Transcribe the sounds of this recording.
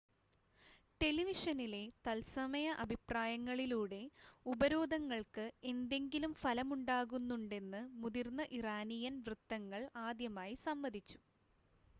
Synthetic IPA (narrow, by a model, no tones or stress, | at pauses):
ʈe̞liʋiʂɐnile̞t̪ɐlsɐmɐjɐʔɐbʱipraːjɐŋːɐɭiluːɽe̞ubɐɾo̞ːd̪ʱɐŋːɐɭkɨe̞nd̪e̞ŋɡilumfɐlɐmuɳɖaːɣunːuɳɖe̞nːɨmuðirnːɐʔiraːnijɐnʋrɨt̪ːɐŋːɐɭaːd̪jɐmaːjisɐmbɐd̪ʱit͡ɕːu̥